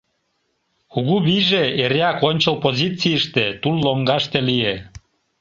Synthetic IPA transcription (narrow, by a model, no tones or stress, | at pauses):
kuɣuβiʒeeɾeɑkonʲt͡ɕəlpozit͡siəʃt̪et̪ulːoŋɡɑʃt̪elije